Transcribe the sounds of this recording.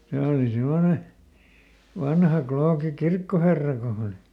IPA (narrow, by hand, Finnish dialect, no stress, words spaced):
se oli semːone ʋɑnhɑ kloːki kirkːoherːɑ ko hɑ̆ oli